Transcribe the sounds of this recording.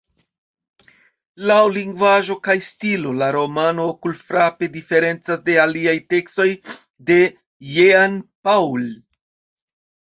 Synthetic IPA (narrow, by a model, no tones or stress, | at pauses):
lawliŋɡvaʒo̞kajstilo̞laɾo̞mano̞kulfɾape̞dife̞ɾe̞nt͡sasde̞aliajte̞ksto̞j | de̞ | jeanpawl